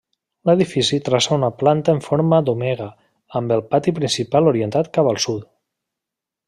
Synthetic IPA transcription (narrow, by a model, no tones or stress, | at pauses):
leðifisit̪ɾasaunaplant̪əeɱfoɾməd̪omɛɣ̞ə | əmbəlˠpat̪ipɾinsipaluɾient̪at̪kapəlˠsut̪